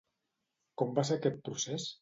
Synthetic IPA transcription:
kɔmbaseakɛt̪̚pɾuses

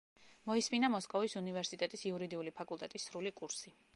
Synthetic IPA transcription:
mɔisminamɔskʼɔvisunivɛɾsit̪ʼɛt̪ʼisiuɾid̪iulipʰakʼulˠt̪ʼɛt̪ʼisːɾulikʼuɾsi

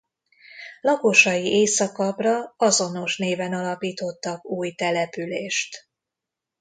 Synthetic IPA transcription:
lɒko̞ʃɒjiʔeːsɒkɒbrɒɒzo̞no̞ʃneːvɛnɒlɒpiːt̪o̞t̪ːɒkuːjt̪ɛlɛpyleːʃt̪

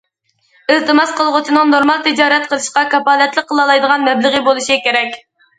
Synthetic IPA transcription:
ɪlˠt̪ɨmɑsqʰəlˠʁʊt͡ʃ̪ʰinɨŋnoɾmɑlˠt̪ʰɪd͡ʒɑːɾɛt̪̚qʰəlˠɨʃqɑkɑpɑːlˠɛt̪lˠək̚qʰːəlˠɑlˠɑjd̪əʁɑnmɛblɨʁəbolˠuʃikʲeɾɛkʲ

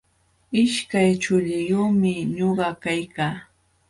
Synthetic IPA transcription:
ɪʃkajt͡ʃʊʎɪjoːmɪɲoɢɑkajkaː

